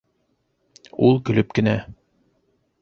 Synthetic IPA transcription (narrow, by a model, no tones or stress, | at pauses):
ulˠkɵ̆lɵpkɘ̆næ